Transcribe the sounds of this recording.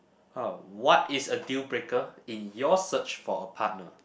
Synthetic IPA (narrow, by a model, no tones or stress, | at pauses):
awɔtisədibɹekəĩnjɔsət͡ʃfɔəpʰat̚nə̰